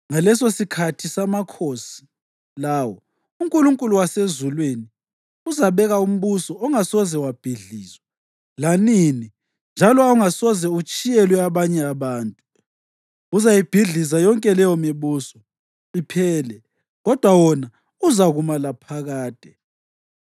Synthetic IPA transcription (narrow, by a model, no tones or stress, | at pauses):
ŋalɛsosikʰatʰisamakʰosi̥ | lawɔ | uŋkʼuluŋkʼuluwasezulweni | uzaβɛɣaum̩βusɔɔŋasɔzɛwab̥ʱiɮiːzwɛ | lanini | nd͡ʒʱalɔauŋasɔzɛut͡ʃʼijɛlwɛaβaɲɛaβaːntʼu | uzajib̥ʱiɮizajɔŋkʼɛlɛjɔmiβuːsɔ | ipʰɛːlɛ | ɣɔd̥ʱwawɔna | uzaɣumalapʰaɣaːd̥ʱɛ